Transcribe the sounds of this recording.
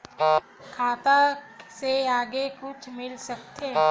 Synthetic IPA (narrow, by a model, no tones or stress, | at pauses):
kʰaːt̪aseaːɡekʊt͡ʃʰmɪlsɐk̚t̪ʰe